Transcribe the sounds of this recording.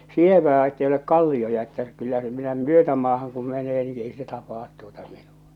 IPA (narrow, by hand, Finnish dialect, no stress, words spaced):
sieʋæː etːei olek kɑlːiojɑ etːæ kylːæ se minæ myøtæmɑːhɑŋ kum meneː ni ei se tɑpɑːt tuotɑ minu̥ɑ̥